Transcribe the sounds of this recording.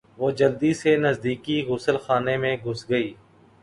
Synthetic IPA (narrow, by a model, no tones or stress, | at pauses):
ʋoːd͡ʒɐld̪isenɐzd̪iːkiɣʊsəlxaːnemẽɡʱʊsɡɐiː